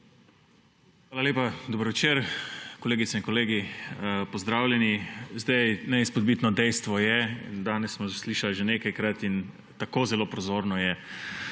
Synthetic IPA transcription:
xʋaːlalʲeːpad̪oːbəɾʋɛt͡ʃeːɾkɔleːɡit̪sɛiŋkɔleːɡipɔzd̪ɾaːwlʲjɛnizd̪ajnɛispɔd̪̚bit̪nɔd̪ɛjst̪ʋɔjɛnd̪aːnɛsːmɔsliːʃalʒeneːkajkɾat̪in | t̪akoːzɛloːpɾɔzoːɾnɔjɛ

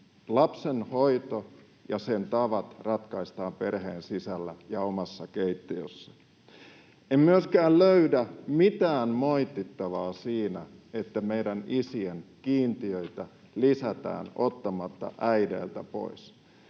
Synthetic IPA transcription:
lɑpsenho̞it̪o | jɑsent̪ɑʋɑt̪rɑt̪kɑist̪ɑːmperheːnsisælːæjɑomɑsːɑkeit̪ːiøsːɑ | emmyøskæːlløydæmit̪æːnmoit̪ːit̪ːɑʋɑːsiːnæet̪ːæmeidænisienkiːnt̪iøit̪æ | lisæt̪æ̰ːnot̪ːɑmɑt̪ːɑ̰ʔæidḛːlt̪æpo̞̰is

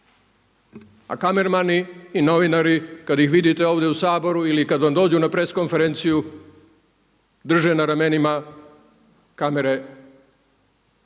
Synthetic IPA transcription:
a̰kame̞ɾmaniːno̞ʋinaɾikad̪jixʋid̪it̪eo̞ːʋd̪jeusaːbo̞ɾuilikad̪ʋamd̪o̞ːd͡ʑunapɾe̞ːsko̞nfe̞ɾent̪siju | d̪r̩ʒe̞naɾame̞nima | kame̞ɾe

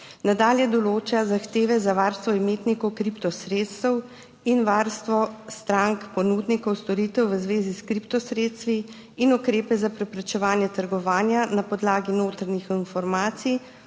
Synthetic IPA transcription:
nad̪aːljɛd̪ɔloːt͡ʃazaxt̪eːʋɛzaʋaɾst̪ʋɔimeːt̪nikɔwkɾipt̪ɔsɾeːt̪st̪ɛw | inʋaɾst̪ʋɔst̪ɾaŋkpɔnuːd̪nikɔwst̪ɔɾiːt̪ɛwʋəzʋeːziskɾipt̪ɔsɾeːt̪st̪ʋiː | nukɾeːpɛzapɾɛpɾɛt͡ʃɛʋaːnjɛt̪əɾɡɔʋaːnjanapɔd̪laːɡinoːt̪ɾanixinfɔɾmaːt̪si

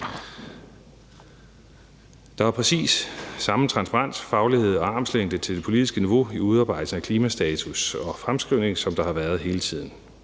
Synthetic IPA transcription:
d̥ɑ̈ʋɑ̈pʰʁɛsḭːsːɑ̈mət͡sʰʁɑ̈nspʰɑʁɑ̈n̰sfɑ̈ʊlihe̝ð̞̰ˠɒ̽ɑ̈ːmsleŋ̰d̥ət͡sʰe̝ld̥e̝pʰo̝lið̥isɡ̥əniʋo̝iuð̞ˠɑ̈ːb̥ɑ̈ɪ̰d̥sn̩ækʰliːmæsd̥ɛːt͡sʰusɒ̽fʁamsɡ̥ʁiʊ̰ne̝ŋsɒ̽md̥ɑ̈hɑ̈ʋæːɐð̞ˠɦe̝ːlət͡sʰið̞̰ˠn̩

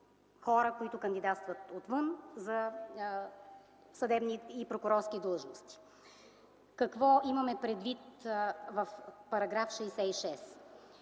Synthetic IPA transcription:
xɔɾəkoit̪ʊkənd̪id̪at̪st̪vət̪ot̪vɤnzɐ | sɐd̪ɛbniːpɾokʊɾɔɾskʲid̪ɤlˠʒnost̪i̥ | kɐkvɔimɐmɛpɾɛd̪vit̪vəfpɐɾɐɡɾafʃɛːsɛiʃɛs

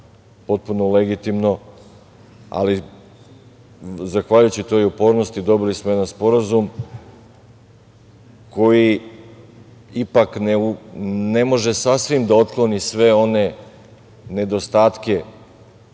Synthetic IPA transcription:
po̞t̪̚punole̞ɡit̪imno̞ | a̰li | zaxʋaʎujut͡ɕit̪o̞jopo̞ːɾno̞st̪id̪o̞bilismoje̞d̪anspo̞ɾazum | ko̞ji | ipakneune̞mo̞ʒe̞sasʋimd̪ao̞t̪klˠo̞nisʋe̞o̞ne̞ | ne̞d̪o̞st̪aːt̪ke̞

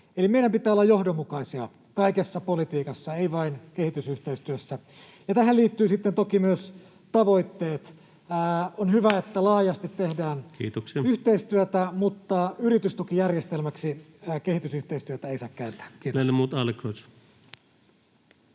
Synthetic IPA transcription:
elimeiɾæmpit̪ˑæːolːɑjohdomːukɑisiɑ | kɑikesːɑpolit̪iːkɑsːɑeiʋɑinkehit̪ysyht̪eist̪yøsːæ | jɑt̪æhæliːt̪ːyːsit̪ːent̪okimyøs | t̪ɑʋoit̪ːeːt̪ː | onhyʋæet̪ːælɑːjɑst̪it̪ːehdæːnkḭːt̪oksiɑyht̪eist̪yøt̪æmut̪ːɑyrit̪yst̪ukijærjest̪elmæksi | keɦhit̪ysyht̪eist̪yøt̪æeisɑːkkæynt̪æ̥ːkiːt̪enːemuːt̪ɑlkot̪

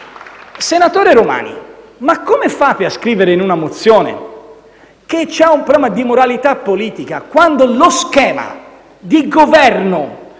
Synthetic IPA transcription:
senat̪oːɾeɾoma̰ːnḭ | makːomefaːpeaskɾiːveɾeinunamot̪sːjɔːnḛ | k̟et͡ʃɛumpɾobɛːmad̪imoɾalit̪apːoliːt̪ika̰kwand̪oloskɛːma̰ | d̪iɡovɛrno

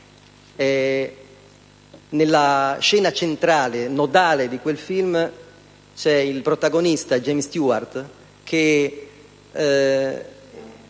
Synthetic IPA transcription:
ɛ | nelːaʃɛːnat͡ʃent̪ɾaːlenɔd̪aːled̪ikwelfilm | t͡ʃɛilpɾot̪aɡonist̪ad͡ʒemst̪juart̪ | kʰe

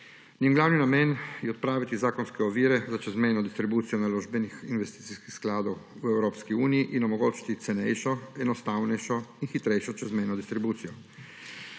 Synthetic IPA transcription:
njɛnɡlaːwninameːnjɛɔt̪̚pɾaːʋit̪izaːkɔnskɛɔʋiːɾɛzat͡ʃɛzmɛjnɔd̪ist̪ɾibuːt̪sijɔnaloʒbɛnixinʋɛst̪iːt̪iskixsklaːd̪ow | uɛwɾoːpskiuːnijiʔinɔmoɡoːt͡ʃi̥t̪it̪sɛnɛ̰jʃɔɛnɔst̪aːwnɛjʃɔinxit̪ɾɛjʃɔt͡ʃɛzmɛjnɔd̪ist̪ɾibuːt̪sijɔ

